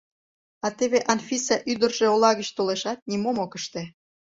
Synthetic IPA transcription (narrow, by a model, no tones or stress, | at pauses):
ɑt̪eβeʔɑnfisɑʔyd̪ərʒeolɑɣət͡ɕt̪oleʃɑt̪̚nimomokəʃt̪e